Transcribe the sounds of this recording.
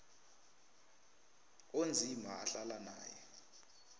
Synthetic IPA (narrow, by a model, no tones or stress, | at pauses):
ond͡zʱimʱaaɬalana̰ːjɛ